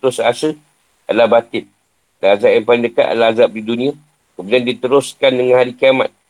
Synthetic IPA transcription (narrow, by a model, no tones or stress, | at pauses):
t̪ʊsasə | alabat̪ɪt̪̚ | laazap̚jampalndəka̰ʔa̰laazap̚didunĩa | kəmudiandit̪əɾʊskandəŋanɦaɾikiama̰t̪̚